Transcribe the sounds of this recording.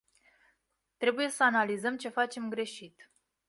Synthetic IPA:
t̪ɾe̞buje̞səanalizəmt͡ʃe̞fat͡ʃe̞mɡɾe̞ʃit̪

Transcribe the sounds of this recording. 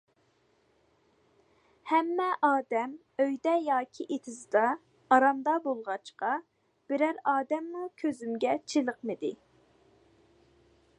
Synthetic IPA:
hɛmːɛʔɑːd̪ɛm | øjd̪ɛjɑːkʲʰiʔet̪ʰɪzɨd̪ɑː | ɾɑmd̪ɑbolˠʁɑt͡ʃqɑ | b̥ɪɾæɾɑːd̪ɛmːukʲʰøzymɡʲɛt͡ʃʰilˠəqmɨd̪ɪ

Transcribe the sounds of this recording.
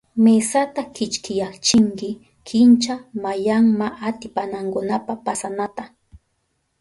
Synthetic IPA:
mesat̪akɪt͡ʃkɪjakt͡ʃɪŋkɪ | kʰɪnt͡ʃamajaŋmaʔat̪ɪpanaŋkʊnapapasanat̪a

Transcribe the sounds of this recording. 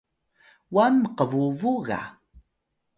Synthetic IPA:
wamqəvuvuɣa̰

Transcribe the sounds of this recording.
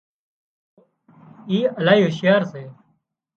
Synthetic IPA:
iːəlaːiːɦɪʃjaːɾseː

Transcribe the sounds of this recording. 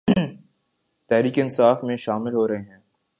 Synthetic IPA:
t̪ɛɦɾiːkeɪnsaːfmẽʃaːmɪlɦoːɾɐɦeɦɛ̃ː

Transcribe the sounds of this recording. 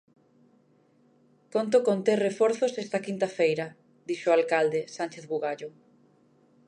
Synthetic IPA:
kont̪̬ʊkont̪erefɔɾθosɛst̪ɐkint̪ɐfejɾɐ | d̪iʃʊalkald̪esant͡ʃeθβuɣaʎʊ

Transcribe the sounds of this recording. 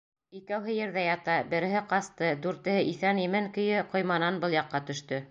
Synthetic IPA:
ikæwɦɘjɘ̆ɾðæjɑt̪ɑbɘ̆ɾɘ̆ɦɘqɑst̪ɤd̪ʉɾt̪ɘ̆hɘʔiθænjɘ̆mɘŋkɵ̆jɘqŏjmɑnɑnbɤlˠjɑqːɑt̪ɵ̆ʃt̪ɵ

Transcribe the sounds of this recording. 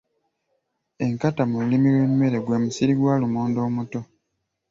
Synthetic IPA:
e̞ŋkatamulimilwemːe̞ɾe̞ɡwemusiɾiɡwaːlumoːndo̞ːmuto̞

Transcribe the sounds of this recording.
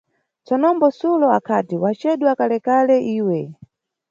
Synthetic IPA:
t͡sɔnɔmbɔsulɔakʰatiwat͡ʃɛɗwakalɛkalɛʔiːwɛ

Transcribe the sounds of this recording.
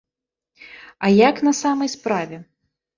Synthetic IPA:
ajakn̪ɐsamɐjspɾavʲɛ

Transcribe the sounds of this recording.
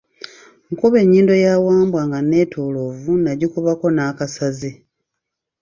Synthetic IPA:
ŋkuβe̞ɲːiːndo̞jawaːmbwaŋɡane̞ːtʰo̞ːlo̞vunaɟikuβako̞naːkasazi

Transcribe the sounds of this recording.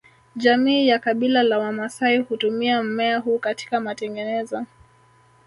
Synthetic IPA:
ʄamiːjakaɓilalawamasaihutumiam̩mɛaɦuːkati̥kamatɛŋɡɛnɛzɔ

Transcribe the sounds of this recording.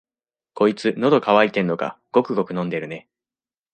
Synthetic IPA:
ko̞it͡sɨno̞d̪o̞kaβait̪e̞nːo̞ɡa̰ɡ̥o̞kɯ̟ɡo̞kɯ̟nõ̞nd̪e̞ɾɯ̟ne̞

